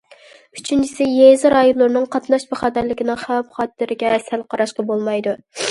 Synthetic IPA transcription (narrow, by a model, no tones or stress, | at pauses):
yt͡ʃʰynt͡ʃʰisɪjezɾɑjonlˠʊɾɨnɨŋqʰɑt̪nɑʃbæχɑːt̪æɾlɪkʲinɪŋχæwɛpχɑːt̪ʰːɪɾɪɡʲɛsælqʰɑɾɑʃqɑbolˠmɑjd̪u